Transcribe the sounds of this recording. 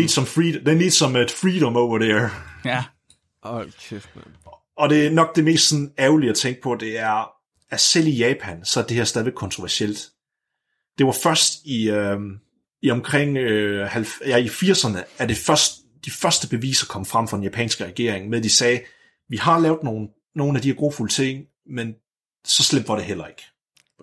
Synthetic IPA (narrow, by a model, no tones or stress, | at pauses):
e̝̰d̥sɒ̽mfʁid̥enle̝ːd̥sɒ̽med̥fʁiːɾ̥ɒ̽mɔʊʋɐdeɐ | ɒ̽d̥e̝ænɒ̽ɡ̥̚d̥e̝me̝̰ːsd̥sɒ̽n̩ɛːʊliæt͡sʰeŋ̰ɡ̥̚pʰɒ̽d̥e̝æɐ | æsel̰ijɛːpʰænsɒ̽ɐd̥e̝heɐsdɛð̞ˠʋe̝ɡ̥kʰɒnt͡sʰʁoʋæɐsel̰d̥ | d̥e̝ʋɑ̈fɶɐsd̥iø | iɒ̽mkʰʁeŋ̰hælfjæifiɐ̰sɐnəæɐd̥e̝fɶɐsd̥ | d̥ifɶɐsd̥əb̥e̝ʋḭːsɐkʰɒ̽m̰əfʁäm̰fɑd̥enjæpʰɛ̰ːnsɡ̥əʁɛɡ̥e̝ɐ̰eŋmeðˠd̥isɛː | ʋihɑ̈lɛːʊð̥ˠno̝ːn̩ | no̝ːn̩æd̥iheɐɡ̥o̝̰ːfulət͡sʰe̝ŋ̰ | men | sɒ̽slem̰d̥ʋɑ̈ɾe̝ɦel̰ɐe̝ɡ̥